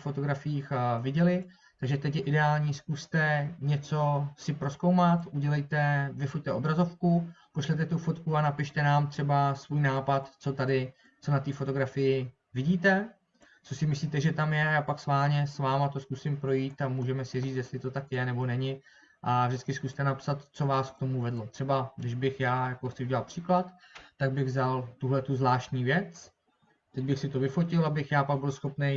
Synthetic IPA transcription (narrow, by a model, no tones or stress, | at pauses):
fo̞t̪o̞ɡɾafɪjiːxvɪɟɛlɪ | t̪aɡʒɛt̪ɛcjɛʔɪdɛaːlɲiːskust̪ɛɲɛt͡so̞sɪpɾo̞skowmat̪ʔuɟɛlɛjt̪ɛvɪfoc̚t̪ɛo̞bɾazo̞fkupoʃlɛt̪ɛt̪ufo̞t̪kuanapɪʃt̪ɛnaːmt̪r̝̥ɛbasvuːjnaːpat̪t͡so̞t̪adɪ | t͡so̞nat̪iːfo̞t̪o̞ɡɾafɪjɪ | vɪɟiːt̪ɛ | t͡so̞sɪmɪsliːt̪ɛʒɛt̪amjɛajaːpaksvaːlɲɛsvaːmat̪o̞skusɪmpɾo̞jiːt̪amuːʒɛmɛsɪriːt͡s̪jɛst̪lɪt̪o̞t̪akjɛnɛbo̞nɛɲɪ | ʔavʒdɪt͡skɪskust̪ɛnapsat̪t͡so̞vaːsk̚t̪o̞muvɛdlo̞t̪r̝̥ɛbadɪʒbɪxjaːjakoxtt͡sɪuɟɛlat̪pr̝̥iːklat̪ːaɡbɪɣzalt̪uɦlɛt̪uzvlaːʃt̪ɲiːvjɛt͡s | t̪ɛɟ̚bɪxsɪt̪o̞vɪfocɪlabɪxjaːpaɡ̚bɪlsxo̞pnej